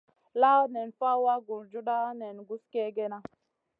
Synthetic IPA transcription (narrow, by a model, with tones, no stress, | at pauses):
la˦ne˨nfa˦wa˦ɡu˨ɾd͡ʒu˦ɗa˦ne˨nɡu˦ske˦ɡe˦na˦